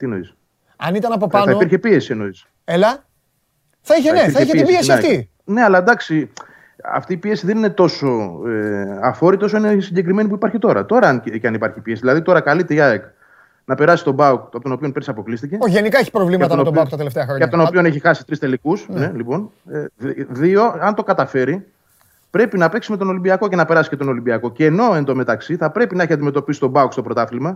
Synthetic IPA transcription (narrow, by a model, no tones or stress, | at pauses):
t̪inoḭs | ɐnit̪ɐnɐpopɐnɐiopiɾçepie̞sieno̞is | elɐ | θɐiçenepiɾθɐiçeisbiesiɐft̪i | ne̞ɐlɐd̪ɐksi | ɐ̰ft̪iːpie̞siðenine̞t̪o̞so̞eɐfo̞ɾit̪t̪o̞soinesiɲɟe̞k̬ɾime̞nipuipɐɾçit̪o̞ɾɐ̰t̪o̞ɾɐncɐnipɐɾçipiesiðilɐðit̪o̞ɾɐkɐlit̪eiɐek | nɐpe̞ɾɐsist̪o̞bɐukt̪pot̪ono̞pio̞npeɾisɐpo̞klist̪iceoʝenikɐeçi̥pɾovlimɐt̪ɐonot̪oɐukt̪ɐt̪eleft̪eɐxɾoɲɐpɐt̪onopione̞çixɐsi̥t̪ɾist̪e̞likusne̞lipo̞n | ðioɐnt̪o̞kɐt̪ɐfe̞ɾi | pɾe̞pinɐpe̞ksime̞t̪ono̞limbiɐko̞ce̞nɐpe̞ɾɐsi̥ce̞t̪o̞no̞limbiɐko̞ceːno̞e̞nd̪o̞met̪ɐksiθɐpɾe̞pinɐeçiɐnd̪ime̞t̪o̞pisi̥t̪o̞bɐukst̪opɾo̞t̪ɐθilmɐ